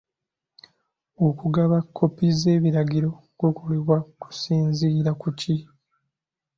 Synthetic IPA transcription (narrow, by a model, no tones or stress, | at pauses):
okuɡaβakʰːo̞pize̞ːβiɾaɟiɾo̞ | ɡokoleβwaku̥siːnziːɾakuci